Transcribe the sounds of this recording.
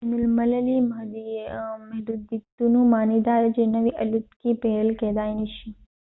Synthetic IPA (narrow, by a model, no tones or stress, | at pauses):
ɛnʊlmələliməimɐɦdud̪ːit̪ːunũmanid̪aɾd͡ʒenəʋiʔəlit̪kipeəlkɛd̪ajniʃi